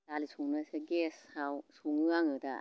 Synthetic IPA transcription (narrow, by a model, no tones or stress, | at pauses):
dalisuŋnɯseɡesawsuŋɯaŋɯda̰